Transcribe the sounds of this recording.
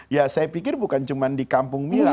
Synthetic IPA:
jasajapikɪrbukant͡ʃumandikampʊŋmila

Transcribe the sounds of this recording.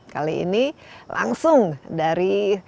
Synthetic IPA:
kaliḭnila̰ŋsʊŋdaɾi

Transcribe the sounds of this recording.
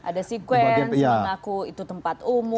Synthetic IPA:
ʔa̰dasikwɛaanjaaŋakuit̪ut̪əmpat̪umʊ

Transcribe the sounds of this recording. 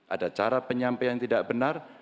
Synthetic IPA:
ʔa̰dat͡ʃaɾapəɲampajaŋt̪idaʔbənar

